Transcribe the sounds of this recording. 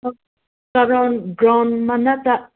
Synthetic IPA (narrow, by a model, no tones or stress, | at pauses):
kaɾondɾanmanat̪a